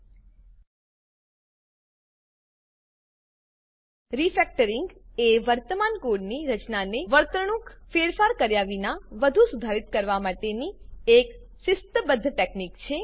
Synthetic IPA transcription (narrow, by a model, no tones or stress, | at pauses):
ɾifɛk̚ʈəɾiŋɡeʋəɾt̪əmankoɖniɾət͡ʃnaneʋəɾt̪ɾəɳ̃ũkfeɾfaɾkəɾjaʋinaʋəd̪ʱusud̪ʱaɾit̪kəɾʋamaʈeniek | sɪst̪əbəd̪ʱːəʈeknikt͡ʃʰe